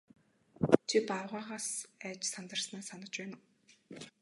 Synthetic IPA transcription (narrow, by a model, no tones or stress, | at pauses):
t͡ɕʰipaɾʁaːʁaːsæːt͡ɕsant̪ə̆rsnaːsanə̆t͡ɕpæːnə̆w